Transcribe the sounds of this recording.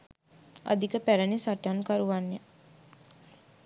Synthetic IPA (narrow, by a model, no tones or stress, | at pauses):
a̰d̪ikəpæɾənisaʈankaɾuʋanjə